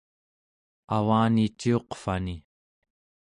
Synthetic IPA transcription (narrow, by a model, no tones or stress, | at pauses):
awaːnit͡ʃːio̞qfani